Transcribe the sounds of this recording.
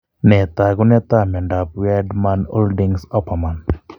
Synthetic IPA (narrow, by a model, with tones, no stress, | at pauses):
nɛ˨t̪a˨ɡʊ˦nɛ˦t̪a˦mɛ˨nda˨pwɛ˦dma˦no̰˦ldi˦ŋsɔ˦pa˨ma˨n